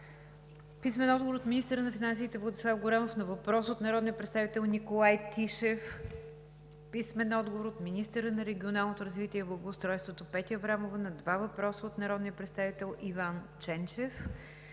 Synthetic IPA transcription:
pismɛnɔd̪̚ɡovoɾot̪minist̪əɾənɐfinansiːt̪ɛvlˠɐd̪islˠafɡʊɾɛmofnɐvɐpɾɔsəot̪nɐɾɔd̪nijəpɾɛt̪st̪avit̪ɛlˠnikolˠajt̪iʃɛf | pismɛnɔd̪ɡovoɾot̪minist̪əɾənɐɾɛɡʲionalˠnot̪oɾɐzvit̪iɛiblˠɐɡoːst̪ɾɔjst̪vot̪opɛt̪ʲjəvɾamovənɐd̪vavɐpɾɔsəot̪nɐɾɔd̪nijəpɾɛt̪st̪avit̪ɛlˠivant͡ʃɛnt͡ʃɛf

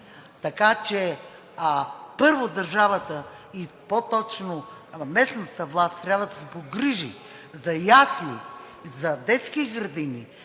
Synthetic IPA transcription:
t̪ɐkat͡ʃɛ | pɤɾvod̪ɐɾʒavət̪ə | i | pot̪ɔt͡ʃnomɛsnɐt̪əvlˠast̪t̪ːɾʲabvəd̪ɐsɛpoɡɾiʒḭ | zɐjasni | zɐd̪ɛt̪skiɡɾɐd̪ini

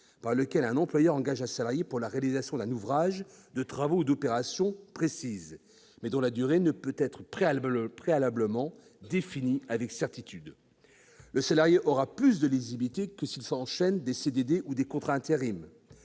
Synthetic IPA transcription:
paʁləkʲɛlɛ̃nɑ̃plwajœʁɑ̃ɡaʒɛ̃salaʁjepuʁlaʁealizasjɔ̃d̪ɛ̃nuvʁaʒd̪ət̪χavoud̪ɔpeʁasjɔ̃pχesiz | mɛd̪ɔ̃lad̪yʁenəpøt̪ɛt̪χəpχepχealabləmɑ̃ | d̪efiniavɛksɛʁt̪it̪yd̪ | ləsalaʁjeʔɔʁaplys̬d̪əlizibit̪ekəsilsɑ̃ʃɛnd̪esed̪ed̪eʔud̪ekɔ̃t̪χaɛ̃t̪eʁim

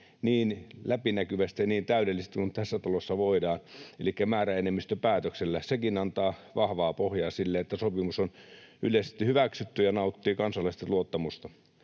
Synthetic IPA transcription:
niːnlæpinækyʋæst̪ijɑniːnt̪æydelːise̥st̪ikunt̪æsːæt̪ɑlosːɑʋoidɑːnḛlikːæmæːræenemːist̪øpæːt̪økselːæsekinɑnt̪ɑːʋɑhʋɑːpohjɑːsilːeet̪ːæsopimusonylest̪ihyʋæksyt̪ːyjɑnɑˑut̪ːiːkɑnsɑlːˑɑist̪ɑluot̪ːɑmust̪ɑ

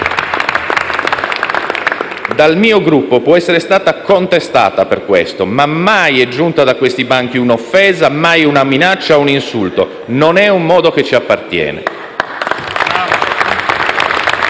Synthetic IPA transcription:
d̪almiːoɡɾupːopwɔɛsːeɾest̪aːt̪akont̪est̪a̰ːt̪aperkwḛst̪omamːajɛd͡ʒːunt̪ad̪akːwest̪ibaŋk̟iunofːɛːzamajunaminat͡ʃːauninsult̪o | nonɛumːɔːd̪oket͡ʃːiapːart̪jɛ̰ːnɛ̰

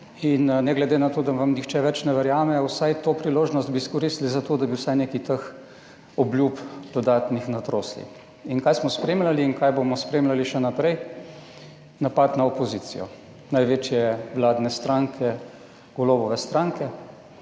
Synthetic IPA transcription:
innɛɡlɛd̪eːnat̪oːd̪aʋamnixt͡ʃɛʋɛt͡ʃnɛʋɛɾjaːmɛɔwsajt̪oːpɾiloːʒnɔst̪̚biskɔɾist̪lizat̪oːd̪abiwsajnekit̪əx | ɔblʲjupd̪̥ɔd̪aːt̪nixnat̪ɾoːslḭ | inkajsmɔspɾeːmlaliːnkajbomɔspɾeːmlaliʃɛnapɾɛj | napat̪naɔpɔziːt̪sḭjɔ̰ | najʋeːt͡ʃjɛʋlaːd̪nɛst̪ɾaːŋkʰɛ | ɡ̥ɔloːbɔʋɛst̪ɾaŋkɛ

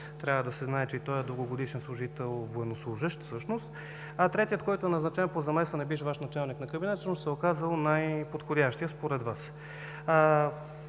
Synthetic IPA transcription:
t̪ɾʲavəd̪ɐsɛznaɛt͡ʃɛit̪ɔəd̪oɡoɡod̪iʃɛnslˠuʒit̪ɛlˠvoɛnoslˠuʒəʃt̪fsɤʃnost̪ | ɐt̪ɾɛt̪ijət̪̚kɔjt̪oɛnɐznɐt͡ʃɛnpozɐmɛslˠɐnɛbiʃ̬vaʃnɐt͡ʃalˠniknɐkəbinɛt̪səʃnost̪ɛokazəlˠnajpot̪xodʲaʃt̪ijəspoɾɛd̪vas

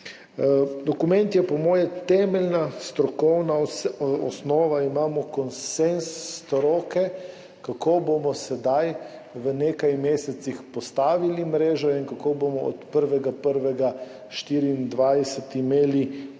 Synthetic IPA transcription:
d̪ɔkumɛ̃nt̪jɛpɔmɔːjɛt̪ɛːmɛlʲnast̪ɾɔkɔwnaɔ̰snɔːʋaimaːmɔkɔnsensːt̪ɾɔːkɛ | kakoːbomɔsɛd̪aj | ʋəneːkajmeːsɛt̪sixpɔst̪aːʋilimɾeːʒɔinkakoːbomɔɔ̰t̪pəɾʋɛɡapəɾʋɛɡa | ʃt̪iːɾiːnd̪ʋajsɛt̪imeːli

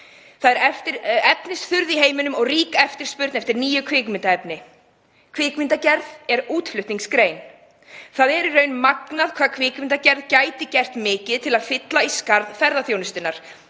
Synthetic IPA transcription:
θaðɛɾɛft̪ɪɾɛpnɪst̪θʏɾðiɦeːjmɪnʏmɔɣriːkaɛft̪ɪɾ̥spʏɾt̪nɛft̪ɪɾniːjʏkʰvɪːkmɪnt̪aɛpnɪ | kʰv̥ɪːkmɪnt̪acɛɾðɛɾuːt̪flʏht̪niŋkskɾeːjn | θaðɛɾirœɥnmaknaðkʰvaːðkʰvɪːkmɪnt̪acɛɾðcaːjt̪ɪcɛr̥t̪mɪːcɪðt̪ʰɪlaðfɪt̪laiskaɾðfɛɾðaθjoːwnʏst̪ɪnːaɾ̥

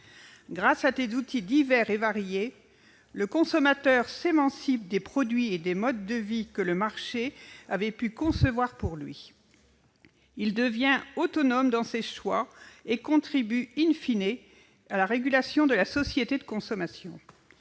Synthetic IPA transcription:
ɡʁasat̪ezut̪id̪ivɛʁevaʁje | ləkɔ̃sɔmat̪œʁsemɑ̃sip̚d̪epχɔd̪ɥied̪emɔd̪ːəvikələmaʁʃeavɛpykɔ̃səvwaʁpuʁlɥi | ild̪əvjɛ̃ot̪ɔnɔmd̪ɑ̃seʃwaekɔ̃t̪χibyinfine | alaʁeɡʲylasjɔ̃d̪əlasɔsjet̪ed̪əkɔ̃sɔmasjɔ̰̃

